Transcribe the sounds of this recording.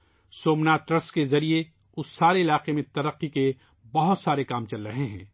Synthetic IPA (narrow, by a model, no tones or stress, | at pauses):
soːmnaʈɾɐskezɐɾie | ʊsːaːɾeɪlaːqemẽt̪ɐɾəqːike | bɐɦʊt̪saːɾekaːmt͡ʃɐlɾɐɦeɦɛ̰̃ː